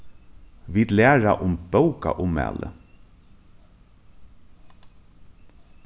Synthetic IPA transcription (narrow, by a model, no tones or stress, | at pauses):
ʋiːd̪læːɹaʔʊmb̥œwka̰ʔʊmɛ̰ːlʔə̰